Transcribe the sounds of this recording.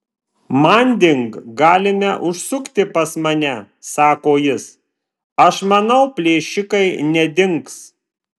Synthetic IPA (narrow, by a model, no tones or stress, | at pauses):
mɐnʲd̪ʲɪŋkɡɑːlʲɪmʲɛʔʊʃsʊkt̪ʲɪpɐsmɐnʲɛ | sɑːkoːjɪs | ɐʃmɐnɒʊpʲlʲeːʃʲɪkɐɪnʲɛd̪ʲɪŋks